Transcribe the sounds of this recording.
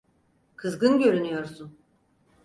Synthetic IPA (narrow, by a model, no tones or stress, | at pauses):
kʰɯzɡɯnɟø̞ɾynyjo̞ɾsun